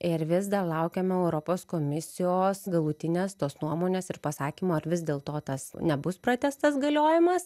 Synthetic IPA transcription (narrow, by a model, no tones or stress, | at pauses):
ɪɾʋʲɪzd̪ɐrlˠɐʊkʲeːmʲɛɛʊɾoːpoːskomʲɪsʲɪjoːsɡɐlˠuːt̪ʲɪnʲeːst̪oːsnuɔmoːnʲeːsɪrpɐsɑːkʲiːmoːɐɾʋʲɪzd̪ʲeːlˠt̪oːt̪ɐsnʲɛbʊspɾɐt̪ʲɛst̪ɐsɡɐlʲoːjɪmɐs